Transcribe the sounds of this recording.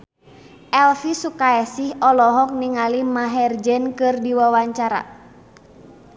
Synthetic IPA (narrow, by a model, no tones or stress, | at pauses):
ʔɛlfisukaɛsihɔlɔɦɔk̚niŋalimaɦɛrd͡ʒɛnkɨrdiwawaɲt͡ʃaɾa̰